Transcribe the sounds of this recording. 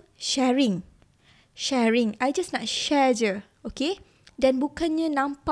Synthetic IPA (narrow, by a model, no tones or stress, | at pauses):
ʃɛɹĩŋ | ʃɛɹĩŋajd͡ʒasnat̚ʃɛd͡ʒə | oke | dɛ̃nbukãnɲanãmpa